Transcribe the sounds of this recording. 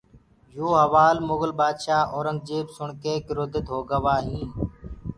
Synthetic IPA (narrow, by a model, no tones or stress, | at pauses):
joːɦəʋaːlmoːɣəlbaːd̪ʃaːʔoːɾəŋɡ̚d͡ʒeːbsʊɳkeːkɪɾʊd̪əd̪ʱoːɡəʋaːɦĩː